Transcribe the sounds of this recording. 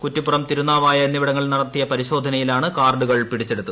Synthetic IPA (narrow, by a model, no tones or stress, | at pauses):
kutːipːurɐmt̪iɾunːaːʋaːjɐenːiʋiɽɐŋːɐɭnɐɽɐt̪ːijɐpɐɾiɕo̞ːd̪ʱɐnɐjilaːɳɨkaːrɖuɣɐɭpiɽit͡ɕːe̞ɽut̪ːu